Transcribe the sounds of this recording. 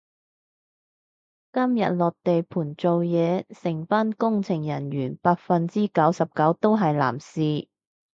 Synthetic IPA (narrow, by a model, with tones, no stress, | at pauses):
kɐ˥mjɐ̰˨t̚lɔː˨˩k̚t̪e˨jpʰuː˨˩nt͡so˨wjɛː˨˧sɪ˨˩ŋfaː˥nkʊ˥ŋt͡sʰɪ˨˩ŋjɐ˨˩njyː˨˩npaː˧k̚fɐ˨nt͡siː˥kɐ˨˥wsɐ˨p̚kɐ˨˥wt̪o˥wɦɐ˨jla̰ː˨˩msiː˨